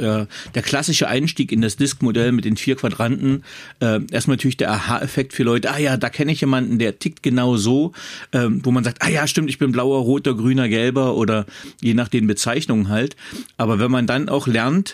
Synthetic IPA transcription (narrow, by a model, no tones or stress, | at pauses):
jaːd̥eːɐkʰl̥asɪʃəʔa̰ɪnʃtiːkɪndasd̥ɪskmodɛlmɪt̚d̥eːnfiːɐkv̥adʁantn̩ʔɛːʔeːɐstmantʰyːɐlɪçd̥eːɐʔaha̰ːʔɛfɛk̚tfyːɐlɔʏtəʔaːjaːdaːkʰɛnəɪçjeːmandn̩deːɐtʰɪk̚tɡ̥ənaʊzoːʔɛːmvoːmanzaːk̚tʔaːjaːʃtɪmtɪçb̥ɪnblaʊɐʁoːtɐɡʁyːnɐɡɛlbɐʔoːdɐjeːnaːχd̥eːnbət͡saɪçnʊŋənɦaltʔaːbɐvɛnmandanʔa̰ʊxlɛɐnt